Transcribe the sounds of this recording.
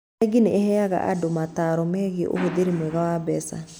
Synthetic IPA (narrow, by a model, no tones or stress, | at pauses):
ɡineɛhɛaɣa̰ʔa̰domataɾɔmɛɣeʔo̰hoðeɾemwɛɣawabɛsa̰